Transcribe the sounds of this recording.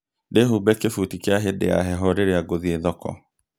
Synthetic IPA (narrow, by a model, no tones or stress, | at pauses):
deɦubɛkefutikjaɦedḛa̰ɦɛɦɔɾeɾeaɡoðieðɔkɔ̰